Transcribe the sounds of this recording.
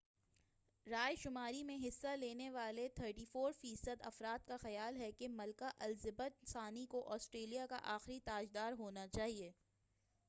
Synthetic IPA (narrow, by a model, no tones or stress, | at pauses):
ɾaːjʃʊmaːɾimẽɦɪsːaleːneʋaːlet̪ʰəɾʈiːfoːɾfiːsəd̪ɐ̰fɾaːt̪̚kaxɐjaːlɦɛkemɐlkaʔɐlzɪbət̪ɪnsaːnikoʔɔːsʈɾeːlijaka̰ʔaːxɾit̪aːd͡ʒd̪aːɾɦoːnat͡ʃaːɦieː